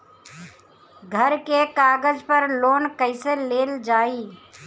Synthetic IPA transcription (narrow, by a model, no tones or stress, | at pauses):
ɡʱəɾkekaːɡəd͡ʒpəɾloːnkəɪseleːld͡ʒaːiː